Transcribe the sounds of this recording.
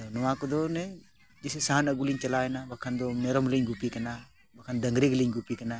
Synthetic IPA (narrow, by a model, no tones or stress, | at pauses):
t̪ɔnɔwãkɔd̪ɔnɛ | d͡ʒisesaɦanɐɡuliɲt͡ʃɐlaɛnabɐkʰand̪ɔmɛɾɔmliɲɡupikɐna | bɐkʰand̪ɐŋɡɾiɡliɲɡupikɐna